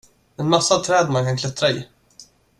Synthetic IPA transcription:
ɛnmasːat̪ʰɾɛːd̪mankʰankʰlɛt̪ɾaɪ̰

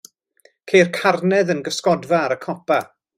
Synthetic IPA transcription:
kʰejrkʰarnɛðənɡəskɔdvaɾəkʰɔpʰa

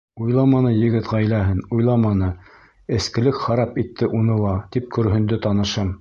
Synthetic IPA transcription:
ujlˠɑmɑnɤjɘ̆ɡɘ̆t̪ʁɑjlæɦɘnujlˠɑmɑnɤ | ɘ̆skɘ̆lɘkχɑɾɑpit̪ːɘʔunɤlˠɑt̪ip̚kɵ̆ɾɦɵ̆nd̪ɘt̪ɑnɤ̆ʃɤm

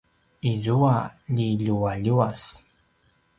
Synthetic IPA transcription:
izuaʎiʎuaʎuas

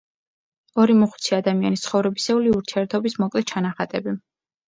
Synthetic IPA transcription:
ɔɾimɔχw̥t̪sʰiad̪amianist̪χɔvɾɛbisɛuliuɾt̪ʰiɛɾt̪ʰɔbismɔkʼlɛt͡ʃʰanaχat̪ʼɛbi

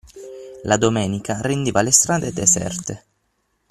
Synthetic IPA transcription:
lad̪omɛːnikarend̪iːvalest̪ɾaːd̪ed̪ɛsɛ̰rt̪e

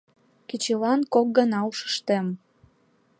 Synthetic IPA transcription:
kit͡ɕelɑnkok̚ɡənɑuʃə̥ʃt̪em

